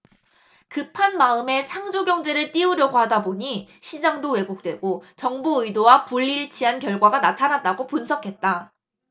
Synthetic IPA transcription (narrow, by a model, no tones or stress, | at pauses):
kɯpʰanmaɯme̞t͡ɕʰaŋd͡ʑoɡjʌŋd͡ʑe̞ɾɯɭt͈iɯɾjʌɡoɦadaboɲiɕʰid͡ʑaŋdowe̞ɡok̚t͈we̞ɡot͡ɕʌŋbuɯidowapuʎːiɭt͡ɕʰiɦankjʌɭɡwaɡanatʰanat̚t͈aɡopunsʰʌkʰe̞t̚t͈a